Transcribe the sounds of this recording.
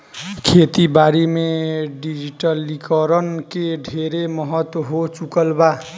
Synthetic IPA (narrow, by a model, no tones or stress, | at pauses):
kʰet̪ibaɾimeɖid͡ʒiʈəlːikəɾənkeɖʱeɾemʌɦət̪wɦot͡ʃukəlba